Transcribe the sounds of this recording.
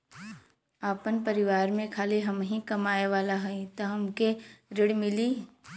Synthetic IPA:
aːpənpəɾɪʋaːɾmẽkʰaːliɦɐmɦĩkɐmaːeʋaːlaɦɐĩt̪oɦɐmkeɾɪɽmɪliː

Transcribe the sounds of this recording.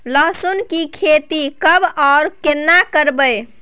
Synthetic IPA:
ləɦsunkikʰet̪ikəbaːɾkenːakəɾbəj

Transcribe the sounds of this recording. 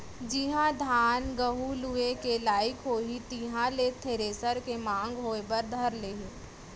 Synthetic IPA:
d͡ʒiɦãd̪ʱaːnɡəɦuluekelaːɪkɦoːɦit̪iɦãlet̪ʰeːɾeːsəɾkemãːŋɡɦoːebəɾd̪ʱɐɾleːɦĩː

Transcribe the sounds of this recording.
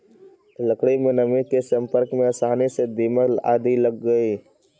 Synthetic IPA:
ləkɽimẽnɐmĩkesɐ̃mpəɾkmẽɐsaːnised̪iːməla̰ːd̪ilɐɡːəiː

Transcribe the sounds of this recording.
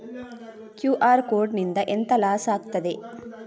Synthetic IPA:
kjuːʔaːɾkoːɾɖnind̪ɐʔent̪ɐlaːsaːɡt̪ɐd̪e

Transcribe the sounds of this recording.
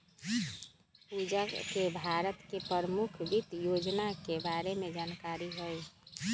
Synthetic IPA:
pud͡ʒakebʱaɾət̪kepɾəɾəmukʰbit̪jod͡ʒnakebaɾemed͡ʒankaɾiɦoj

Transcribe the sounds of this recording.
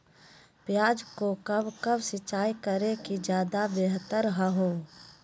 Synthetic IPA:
pjaːd͡ʒkokɐbkɐbsɪt͡ʃaːikəɾekid͡ʒjaːd̪abeɦt̪əɾɦəɦoː

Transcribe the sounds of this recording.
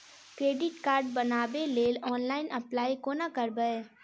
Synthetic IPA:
kɾeːɖɪʈkaːɾɖbɐnaːbeleːlɔːnlaːɪnʔɐplaːikonakɐɾbəe

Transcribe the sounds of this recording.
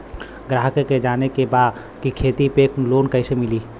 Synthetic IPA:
ɡɾaːɦkeked͡ʒaːnekebaːd̪ | kikʰeːt̪ipeːkloːnkəɪsemɪliː

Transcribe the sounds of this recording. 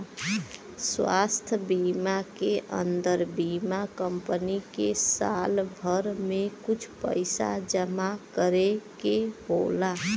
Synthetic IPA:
swa̰st̪ʰbimakeʔə̰nd̪əɾbimakəmpənikesalbʱəɾmekut͡ʃʰpə̰ɪsa̰d͡ʒəmakəɾekebola

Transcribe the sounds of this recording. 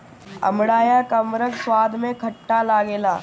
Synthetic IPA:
ɐ̰mɽaːjakɐmɾəkswaːd̪ʱmẽkʰɐʈːalaːɡeːlaː

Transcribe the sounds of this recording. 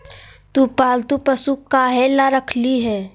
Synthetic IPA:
t̪uːpaːlt̪upəsukaːɦelaɾəkʰliɦɛː

